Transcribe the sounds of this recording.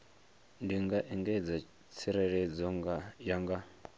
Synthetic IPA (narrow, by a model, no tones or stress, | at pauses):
ndiŋɡaʔɛŋɡɛd͡za | t͡sʰiɾɛɺɛd͡zɔŋɡajaŋɡa